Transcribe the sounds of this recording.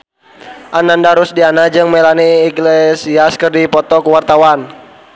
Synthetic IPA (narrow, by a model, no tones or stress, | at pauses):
ʔanandaɾusdianad͡ʒɨŋmelaniːɡlesiaskərdipɔt̪ɔkuwart̪awan